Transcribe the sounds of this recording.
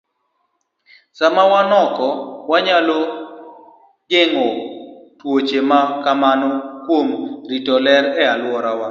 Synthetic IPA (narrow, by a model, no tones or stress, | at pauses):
samawanɔkɔwaɲalo | ɡɪŋɔtwot͡ʃemakamanɔkwomɾitɔlɛɾɛalwɔɾawa